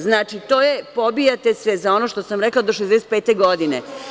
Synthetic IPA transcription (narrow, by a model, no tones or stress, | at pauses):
znaːt͡ʃit̪oːjepobijat̪esʋɛzao̞noʃt̪o̞samɾeklaod̪oʃezd̪ɛset̪̚pet̪eɡo̞d̪ine